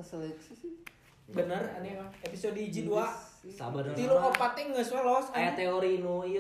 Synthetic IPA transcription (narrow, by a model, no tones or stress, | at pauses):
slɛks | bənəranikaepisodid͡ʒiduaa̰bənət̪iloʔopat̪ɛŋəswalɔsaaat̪eoɾinui